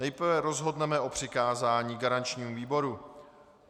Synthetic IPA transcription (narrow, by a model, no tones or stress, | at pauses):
nɛjpɾ̩vɛɾo̞zɦo̞dnɛmɛʔo̞pr̥ɪkaːzaːɲiːɡaɾant͡ʃɲiːmuviːbo̞ɾu